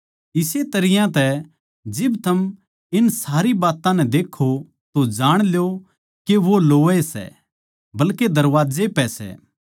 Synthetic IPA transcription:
ɪset̪ɐɾɪjãt̪ɛ | d͡ʒɪbt̪ʰɐm | ɪnsaːɾibaːt̪ãnɛ̃d̪eːkʰːo | t̪od͡ʒaːɽ̃ljo | keʋoloːesɛ̰ | bɐlked̪ɐɾʋaːd͡ʒepɛsɛ̰ː

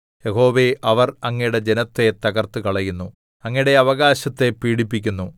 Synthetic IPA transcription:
je̞ɦo̞ːʋe̞ʔɐʋɐrɐŋːɐjuɽe̞d͡ʑe̞nɐt̪ːe̞t̪ɐɣɐrt̪ɨkɐɭɐjunːu | ɐŋːɐijiɽe̞ɐʋɐɣaːɕɐt̪ːe̞piːɽipːikʲːunːu

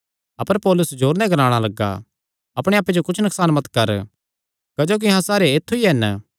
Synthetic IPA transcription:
ɐpəɾpɔːlʊsd͡ʒoːɾnɛ̃ɡɐɾãːɽ̃alɐɡːa̰ | ɐpɽ̃eaːpːed͡ʒokʊt͡ʃʰnɐksaːnmɐt̪kɐɾ | kɐd͡ʒoːk̬iɦãsaːɾeeːt̪ʰːuiɦɛn

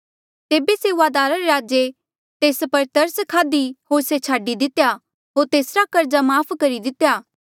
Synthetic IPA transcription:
t̪eːbeseuaːd̪aːɾaɾeɾaːd͡ʒe | t̪eːspɐɾt̪ɐɾsəkʰaːd̪iɦoːɾset͡ʃʰaːɖid̪ɪt̪eja | ɦoːɾt̪eːsɾakɐɾd͡ʒamaːpʰkɐɾid̪ɪt̪ːjaː

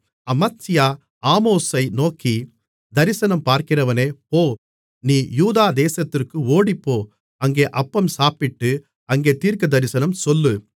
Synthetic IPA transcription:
ɐmɐtsɪjaː | aːmoːsɐɪnoːkːi | d̪ɐɾɪsɐnɐmpaːɾkɪrɐʋɐneːoː | niːjuːðaːd̪eːsɐt̪ːɪrkɯoːɽɪpːoː | ɐŋɡeːʔɐpːɐmsaːpɪʈːɯ | ɐŋɡeːt̪iːɾkɐd̪ɐɾɪsɐnɐmsɔlːɯ

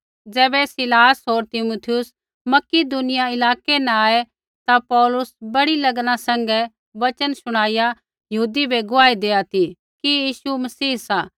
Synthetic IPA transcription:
d͡zɛːbɛsɪlaːsɦoːɾt̪ɪmut̪ʰɪjʊs | mɐkid̪ʊnɪjaɪlaːkenɛ̃aːe | t̪apɔːlʊsbɐɽilɐɡnasɛ̃ŋɡɛ | ʋɐt͡ʃənsʊɽ̃aːɪja | jɐɦuːd̪ibʱeɡʊaːid̪eːat̪ʰi | kijiːsumɐsiːɦsaː

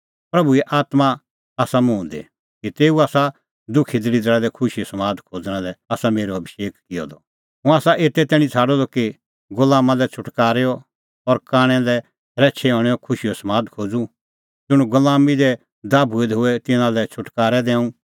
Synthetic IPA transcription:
pɾɐbuɛʔaːt̪ma | aːsamũːnd̪ḛ | kit̪eːuaːsa | d̪ʊkʰid̪ɪɾid̪əɭɛlɛkʰʊʃijɔsɐmãːd̪kʰoːd͡zɽ̃ãlɛaːsameːɾoɐbiʃeːkkɪjɔ̰d̪ɔ | ɦʊ̃aːsaʔeːt̪ɛt̪ɛːɽ̃ĩt͡sʰaːɽɔd̪ɔki | ɡʊlaːmãlɛt͡ʃʰʊʈkaːɾeɔ | ɔɾkaːɽ̃ɛ̃lɛ | ɾɛːt͡ʃʰɛɦɔːɽ̃ɛɔkʰʊʃijɔsɐmãːd̪kʰoːd͡zu | d͡ʒʊɽ̃ũɡʊlaːmid̪ɛ | d̪aːbʱued̪ɦʊɛt̪ɪnãlɛt͡ʃʰʊʈkaːɾɛd̪ɛ̃ːũ

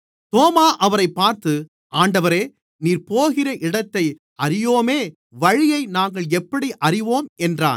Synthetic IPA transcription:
t̪oːmaːʔɐʋɐɾɐɪpːaːɾt̪ɯ | ʔaːɳɖɐʋɐɾeː | niːɾpoːɣɪrɐʔɪɽɐt̪ːɐɪ | ɐrɪjoːmeː | ʋɐɻɪjɐɪnaːŋɡɐɭɛpːɐɽiʔɐrɪʋoːmɛndra̰ːn

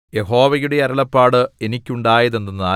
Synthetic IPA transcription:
je̞ɦo̞ːʋɐjuɽe̞ɐrɐɭɐpːaːɽɨe̞nikʲːuɳɖaːjɐðenːɐnaː

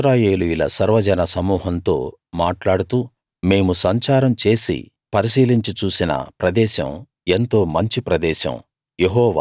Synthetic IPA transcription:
ʃɾaːjeːlujulɐsɐɾʋɐd͡ʒɐnɐsɐmuːɦɐnt̪o̞ːmaːʈlaːɽut̪uː | me̞ːmusɐɲt͡ʃaːɾɐmt͡ʃe̞ːsḭ | pɐɾis̬iːliɲt͡ʃit͡ʃuːsinɐ̰pɾɐd̪ɛːʃɐ̰m | ent̪o̞ːmɐɲt͡ʃipɾɐd̪ɛːʃɐ̰m | jeɦɔːʋa̰ː

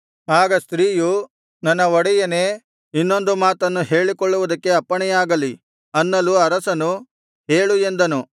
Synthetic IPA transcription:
aːɡɐst̪ɾiːju | nɐnːɐɔɽɛjɐneː | inːo̞nd̪umaːt̪ɐnːuɦe̞ːɭikɔɭːuʋud̪ɐkːe̞ɐpːɐɳɛjaːɡɐli | ɐnːɐluɐɾɐsɐnu | ɦe̞ːɭue̞nd̪ɐnu

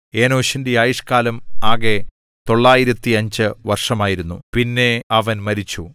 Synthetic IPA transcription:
e̞ːnoːɕindeaːjiʂkaːlɐmaːɣe̞ | t̪o̞ɭːaːjiɾɐt̪ːiɐɲd͡ʑɨʋɐrʂɐmaːjiɾunːṵpinːe̞ɐʋɐnmɐɾit͡ɕːu

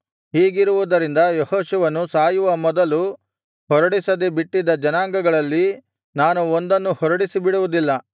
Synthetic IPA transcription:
ɦiːɡiɾuʋud̪ɐɾind̪ɐjɔhoːʃuʋɐnːusaːjuʋɐmɔd̪ɐlu | hɔɾɐɽisɐd̪ebiʈːid̪ɐd͡ʒɐnaːŋɡɐɡɐɭɐlːi | naːnuond̪ɐnːuhɔɾɐɽisibiɽuʋud̪ilːɐ

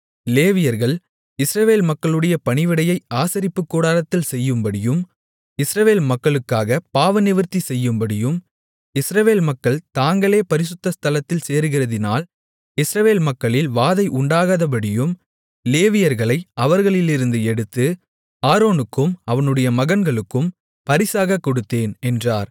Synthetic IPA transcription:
leːʋɪjɐɾɣɐɭ | ɪsɾɐʋeːlmɐkːɐɭɯɽɐjɐpɐɳɪʋɪɽɐjɐɪʔaːsɐɾɪpːɯkːuːɽaːlɐt̪ːɪlsɛjːɯmbɐɽɪjɯm | ɪsɾɐʋeːlmɐkːɐɭɯkːaːɣɐpaːʋɐnɪʋɐɾt̪isɛjːɯmbɐɽɪjɯm | ɪsɾɐʋeːlmɐkːɐɭt̪aːŋɡɐɭeːpɐɾɪs̬ɯt̪ːɐst̪ɐlɐt̪ːɪlseːɾɯɣɪrɐðɪnaːl | ɪsɾɐʋeːlmɐkːɐɭɪlʋaːðɐɪʔʊɳɖaːɣaːðɐp̬ɐɽɪjɯm | leːʋɪjɐɾɣɐɭɐɪʔɐʋɐɾɣɐɭɪlɪɾɯnd̪ɯɛɽɯt̪ːɯ | aːɾoːnɯkːɯmɐʋɐnɯɽɐjɐmɐɣɐnɡɐɭɯkːɯm | pɐɾɪsaːɣɐkːɔɽɯt̪ːeːnɛndraːɾ

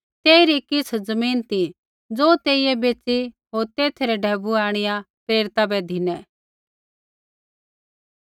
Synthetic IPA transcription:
t̪eːiɾikɪt͡sʰd͡zɐmiːnt̪i | d͡zoːt̪eːijɛbeːt͡si | ɦoːɾt̪eːt̪ʰɾɛɖʱɛːbuaːɽ̃ɪja | pɾeːɾt̪abɛd̪ʱɪnɛː

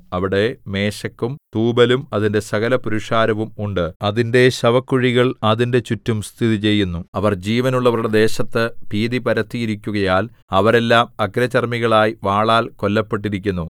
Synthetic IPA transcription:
ɐʋiɽe̞me̞ːɕɐkːumt̪uːbɐlumɐðinde̞sɐɣɐlɐpuɾuʂaːɾɐʋumuɳɖɨɐðinde̞ɕɐʋɐkːuɻiɣɐɭɐðinde̞t͡ɕutːumst̪ʰiðit͡ɕe̞jːunːuɐʋɐrd͡ʑiːʋɐnuɭːɐʋɐruɽe̞d̪e̞ːɕɐt̪ːɨpiːðipɐɾɐt̪ːijiɾikʲːuɣɐjaːl | ɐʋɐɾe̞lːaːmɐkɾɐt͡ɕɐrmiɣɐɭaːjiʋaːɭaːlko̞lːɐpːe̞ʈ̬ːiɾikʲːunːu

